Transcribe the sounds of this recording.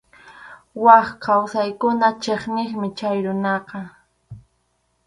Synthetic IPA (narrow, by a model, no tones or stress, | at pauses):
wɑχkʰawsajkʊnat͡ʃeχnɪχmɪt͡ʃajɾʊnɑqɑ